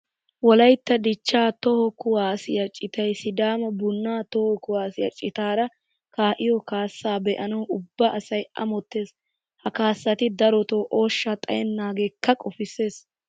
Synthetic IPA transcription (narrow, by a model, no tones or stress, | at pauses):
wɔlɐjt̪ːɐd̪ɪt͡ʃːaːt̪ɔhɔkʊwaːsɪjɐt͡ʃʼɪt̪ɐjsɪd̪aːmɐbʊnːaːt̪ɔhɔkʊwaːsɪjɐ̰t͡ʃʼɪt̪aːɾɐ | kaːʔɪjɔkaːsːaːbɛʔɐnɐwʔʊbːɐʔsɐjʔɐ̰mɔt̪ːe̞ːs | hɐkaːsːɐt̪ɪd̪ɐɾɔt̪oːʔoːʃːat̪ʼɐjɛnːaːɡeːkːɐkʼɔfɪsːe̞ːs